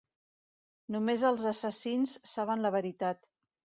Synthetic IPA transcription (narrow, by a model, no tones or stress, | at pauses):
numezəlˠzəsəsinsːaβ̞ənləβəɾit̪at̪